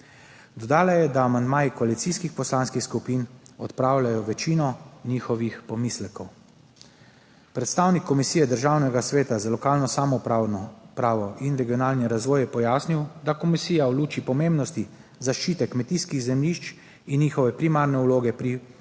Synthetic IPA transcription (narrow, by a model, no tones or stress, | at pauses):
d̪ɔd̪aːlajɛd̪aːmand̪maːjikɔalit̪siːskixpɔslanskixskupiːnɔt̪pɾaːwlʲajɔʋɛt͡ʃiːnɔniːxɔʋixpɔmislɛkɔw | pɾɛt̪st̪aːwnikʰːɔmisiːjɛd̪əɾʒaːwnɛɡasʋeːt̪azalɔkaːlnɔsaːmɔ | pɾaːʋɔʔinɾɛɡiɔnaːlnɛɾazʋɔːjɛpɔjaːsniwd̪akɔmisiːjawluːt͡ʃipɔmẽmbnɔst̪i | zaʃt͡ʃiːt̪ɛkmɛt̪iskiɣzɛmliʃt͡ʃ | inːiːxɔʋɛpɾimaːɾnɛuloːɡɛpɾi